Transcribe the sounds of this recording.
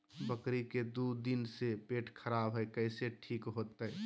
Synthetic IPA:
bəkɾiked̪ud̪insepeːʈkʰəɾabɦəjkəɪseʈʰiːkɦoːt̪e

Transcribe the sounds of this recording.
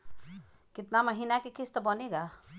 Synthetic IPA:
kɪt̪naməɦinakekist̪əbəneɡa

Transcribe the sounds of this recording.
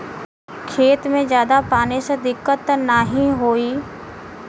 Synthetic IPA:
kʰeːt̪mẽzjaːd̪apaːnesed̪ɪkːət̪naːɦĩɦoːiː

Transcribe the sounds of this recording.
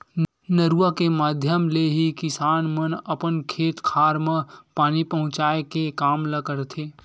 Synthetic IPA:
nəɾuakemaːd̪ʱjəmleɦikɪsaːnmənəpənkʰeːt̪kʰaːɾmẽpaːnipəɦʊ̃t͡ʃaːekekaːmləɡəɾt̪ʰeː

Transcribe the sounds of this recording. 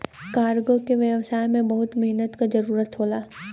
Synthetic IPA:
kaːɾɡõkeʋjəʋsaːjmẽbɐɦʊt̪mɛɦnət̪kazɐɾuːɾət̪ɦoːlaː

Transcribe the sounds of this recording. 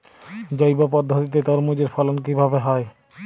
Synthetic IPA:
d͡ʑojbapɔd̪ʱːot̪it̪et̪ɔɾmod͡ʑeɾfʰɔlonk̬ibʱabeɦɔe

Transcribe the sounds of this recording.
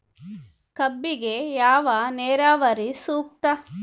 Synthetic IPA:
kɐbːiɡejaːʋaneːɾaːʋɐɾisuːk̚t̪ɐ

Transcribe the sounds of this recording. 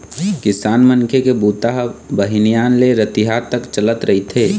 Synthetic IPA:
kɪsaːnməŋkʰekebuːt̪aɦbəɦinijaːnleɾət̪iɦat̪əkt͡ʃələt̪ɾəɦit̪ʰeː

